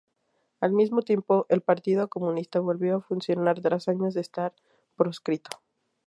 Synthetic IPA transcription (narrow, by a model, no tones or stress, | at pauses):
almizmo̞t̪je̞mpo̞ʔelpaɾt̪iðo̞ko̞mũnist̪aβo̞lβjo̞afunsjo̞naɾt̪ɾasaɲo̞zðest̪aɾ | pɾo̞skɾit̪o̥